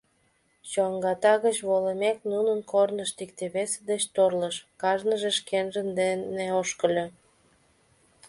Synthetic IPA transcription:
t͡ɕoŋɡɑt̪ɑɣət͡ɕβoləmeknunənkornəʃt̪ik̚t̪eβesəd̪et͡ɕt̪orləʃkɑʒnəʒeʃkenʒənd̪eneoʃkə̆lʲo

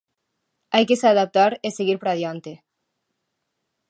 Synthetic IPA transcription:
ajkeseaðap̚t̪aɾeseɣiɾpɾað̞jant̪e

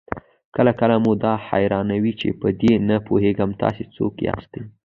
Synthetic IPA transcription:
kəlakəlamud̪ɑha̰jɾɑnawit͡ʃḛpəd̪enapoɦeɡəmt̪ɑ̰set͡so̰kja̰xst̪aj

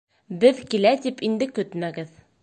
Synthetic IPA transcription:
bɘðkilæt̪ipind̪ɘkɵt̪mæɡɘð

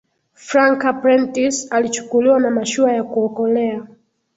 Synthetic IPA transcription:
fɾaŋkapɾɛntisalit͡ʃu̥kuliwanamaʃuajakuɔkɔlɛa

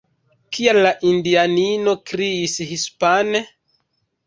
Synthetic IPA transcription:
kʰialːaʔindianino̞kɾiːshispane

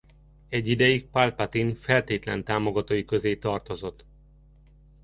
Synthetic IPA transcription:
ɛɟːid̪ɛjik̚palpat̪infɛlt̪eːt̪lɛ̰nt̪aːmo̞ɡɒt̪oːjikø̞zeːt̪ɒrt̪o̞zo̞t̪ː

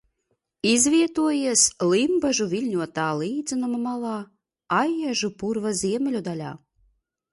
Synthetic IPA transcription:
izvʲiɛt̪uɔjeslimbaʒuvʲilʲnʲuɔt̪ɑlˠiːd̪zɨnamamɑlˠɑ | ɑjːæʒupurvazʲiɛmʲelʲud̪ɑlʲɑ̰

